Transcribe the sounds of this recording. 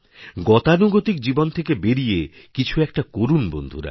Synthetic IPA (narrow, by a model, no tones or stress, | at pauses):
ɡɔt̪anuɡot̪ikd͡ʑibont̪ʰekebeɾije | kit͡ɕʰuɛk̚ʈakoɾunbo̰nd̪ʱuɾa̰